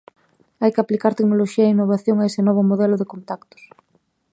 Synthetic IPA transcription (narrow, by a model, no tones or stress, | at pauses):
ajkɪaplikaɾt̪eknoloʃiɐeinːoβ̞aθjoŋaesɪnɔβ̞ʊmoðɛlʊðekont̪akt̪ʊ̥s